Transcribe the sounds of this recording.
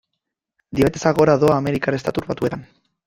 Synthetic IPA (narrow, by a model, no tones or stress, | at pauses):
d̪iet̪e̞saɣo̞ɾaðo̞aːme̞ɾikaɾest̪at̪uɾβat̪ue̞t̪an